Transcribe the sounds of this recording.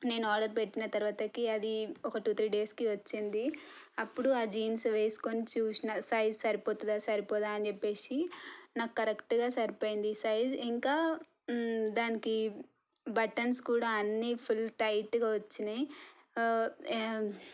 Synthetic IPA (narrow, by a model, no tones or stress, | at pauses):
ne̞ːnaːɾɖɐɾpe̞ʈːinɐt̪ɐɾuʋaːt̪ɐkiɐd̪iɔkɐʈuːt̪ʰɾiːɖe̞ːskiʋɐt͡ʃːind̪i | ɐpːuɽuaːd͡ʒiːnsʋe̞ːsi̥konit͡ʃuːsinasɐjd͡ʒsɐɾipoːt̪ud̪asɐɾipoːd̪aːɐnit͡ʃepːe̞ːsinaːkːukɐɾekʈɡaːsɐɾipoːjind̪isɐjd͡ʒiŋkaː | d̪aːniki | bɐʈɐnskuːɽaːɐnːipʰulʈɐjʈːɡaːʋɐt͡ʃːini